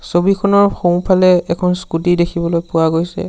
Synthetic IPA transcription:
sobikʰɔnɔɹxõw̃pʰalɛɛkʰɔnskutidekʰibɔlojpʊwaɡojsɛ̰

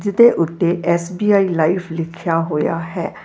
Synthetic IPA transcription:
d͡ʒd̪eːʔʊt̪ːeːʔɛːsbiːaːiːlaːiːpʰlɪkʰjaːɦoːja̰ːɦɛː

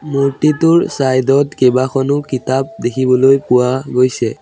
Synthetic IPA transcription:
muɹtitʊɹsajdɔtkebakʰɔnʊkitap̚dekʰibɔlojpʊwaɡojsɛ̰

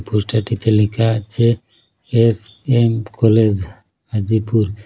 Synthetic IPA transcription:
pʰusʈaʈit̪ʰelikʰat͡ʃʰeː | semkʰɔled͡ʒ | ad͡ʒipuɾ

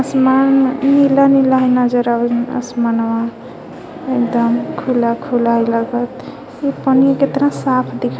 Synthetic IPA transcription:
əsmannːilanilaɦinad͡ʒəɾaə̰smanwa | ek̚d̪əmkʰulakʰulajləɡət̪ | ipənioket̪ɾãsapʰd̪ikʰ

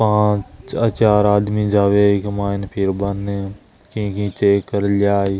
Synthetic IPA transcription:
pãːt͡ʃɐt͡ʃaːɾaːd̪mid͡ʒaːʋeːɪkmãːɪnpʰɪɾbɐn | kĩːkĩːt͡ʃeːkːəɾljaːiː

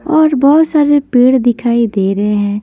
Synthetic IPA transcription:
ɔːɾbɔːʊt̪saːɾepeːɽd̪ɪkʰaːid̪eːɾəɦeɦɛ̃ː

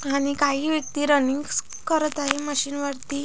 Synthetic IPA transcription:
aɽ̃ikaɦiːʋjək̚t̪iːɾəniŋɡs | kəɾət̪aɦeməɕiːnʋaɾt̪iː

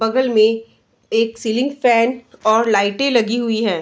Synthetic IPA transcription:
bɐɡəlmẽ | eːksiːlɪ̃ŋɡfɛːnɔːɾlaːɪʈẽlɐɡiɦʊiɦɛː

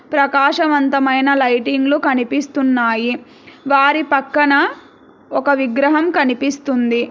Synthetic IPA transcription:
pɾɐkaːʂɐʋɐnt̪ɐmɐjnɐlɐjʈiŋɡlukɐnipist̪unːaːji | ʋaːɾipɐkːɐnɐ | ɔkɐʋiɡɾɐɦɐmkɐnipist̪und̪i

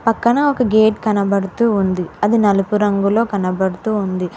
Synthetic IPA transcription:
pɐkːɐnɐɔkɐɡe̞ːʈkɐnɐbɐɽut̪uːnd̪iɐd̪inɐlupuɾɐŋɡulo̞ːkɐnɐbɐɽut̪uːund̪i

